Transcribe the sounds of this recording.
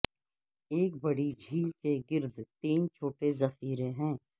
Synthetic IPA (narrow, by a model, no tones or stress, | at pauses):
eːk̚bɐɽid͡ʒʱiːlkeɡɪɾd̪ʱt̪iːnt͡ʃʰoːʈezɐxiːɾẽɦɛ̃ː